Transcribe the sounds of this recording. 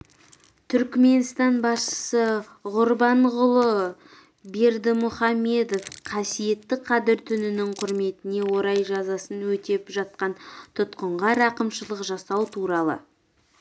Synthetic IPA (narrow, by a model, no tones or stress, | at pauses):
t̪ʰʏɾkme̞nst̪ɑnbɑsʃə̥sə | ʁʊɾbɑɴʁʊlˠə | be̞ɾd̪ɪmʊχɑme̞d̪o̞fqʰɑsije̞t̪ːɪqʰɑd̪ɪɾt̪ʰʏnɪnɪɴqʰʊɾme̞t̪ɪne̞wo̞ɾɑjʒɑzɑsənwɵt̪e̞pʒɑt̪̚qɑnt̪ʰʊt̪qəɴʁɑɾɑqəmʃəlˠəqʒɑsɑwt̪ʰuɾɑlˠə̰